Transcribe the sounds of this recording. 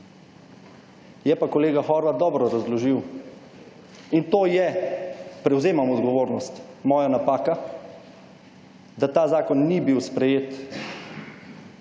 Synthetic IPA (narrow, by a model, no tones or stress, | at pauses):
jɛpakɔleːɡaxɔːɾʋat̪̚ɔːbɾɔɾazlɔʒiw | int̪oːjɛ | pɾɛwzeːmamud̪ɡɔʋoːɾnɔst̪ | mɔːjanapaːka | d̪at̪aːzaːkɔnːibiwspɾɛjeːt̪